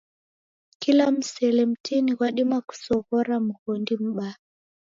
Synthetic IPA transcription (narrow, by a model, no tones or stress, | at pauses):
kilam̩sɛlɛm̩tʰiniɣwaɗimaku̥sɔɣɔɾamuɣɔndim̩ɓa